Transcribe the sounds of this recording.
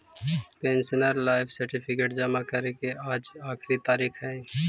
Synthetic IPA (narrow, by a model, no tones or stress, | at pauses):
pɛ̃ːnsənəɾlaːɪfsɐɾʈɪpʰɪkeːʈd͡ʒɐmakɐɾekeaːd͡ʒaːxɾit̪aːɾiːxɦɛ̃ː